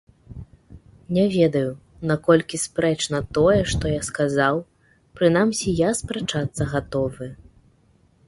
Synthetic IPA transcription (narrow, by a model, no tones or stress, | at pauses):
nʲɛvʲɛd̪ɐju | nakɔlʲkʲispɾɛt͡ʂnɐt̪ɔjɛʂt̪ɔjaskazaw | pɾɨnamsʲijaspɾat͡ʂat̪sːɐɣat̪ɔvɨ